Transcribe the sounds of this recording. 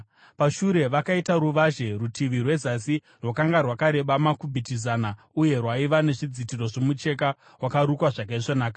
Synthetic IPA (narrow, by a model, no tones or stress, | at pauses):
paʃuɾe̞ʋakaitaɾuʋaʒe̞rutʰiʋirwe̞zasi | rwakaŋɡarwakaɾe̞ɓamakubʱitizana | uje̞rwaiʋane̞ʐid͡zitiro̞ʐomut͡ʃe̞ka | wakaɾukwaʐak̬aiʐonaːka